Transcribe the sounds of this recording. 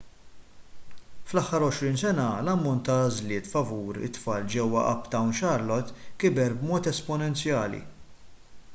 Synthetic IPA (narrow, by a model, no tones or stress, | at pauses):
flɐħːɐɾɔʃɾɪːnsɛnɐlɐmːɔnt̪ːɐːzlɪːt̪fɐvuːɾɪ̰t̪ːfɐːld͡ʒɛwːɐ̰ʔɐ̰pt̪ɐwnʃɐɾlɔt̪kɪbɛɾbmɔːt̪ɛspɔnɛnt͡sjɐːlḭ